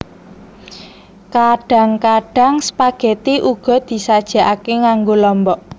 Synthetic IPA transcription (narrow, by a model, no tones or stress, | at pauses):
kaɖ̥a̤ŋkaɖ̥a̤ŋsə̥paɡ̥e̤t̪iʔuɡ̥ɔ̤d̪̥i̤sad̥ʒ̥a̤ʔakeŋaŋɡolɔmbɔʔ